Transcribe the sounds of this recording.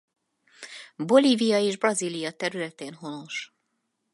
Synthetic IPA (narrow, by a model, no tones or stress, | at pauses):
bo̞liːvijɒeːʒbrɒziːlijɒt̪ɛɾylɛt̪eːnɦo̞no̞ʃ